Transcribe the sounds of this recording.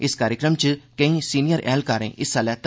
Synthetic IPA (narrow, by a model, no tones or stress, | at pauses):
ɪskaːɾjɪkɾəmt͡ʃkə̃ĩːsiːnɪjəɾʔɛ̰ːlkaːɾḛ̃ːʔɪsːaːlɛːt̪